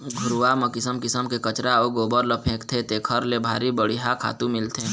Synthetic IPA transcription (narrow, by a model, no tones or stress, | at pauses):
ɡʱʊɾʋaməkɪsəmkɪsəmkekət͡ʃɾaoɡoːbəɾləpʰẽːkt̪ʰet̪eːkʰəɾlebʱa̰ːɾibəɽiɦakʰa̰ːt̪ũmɪlt̪ʰe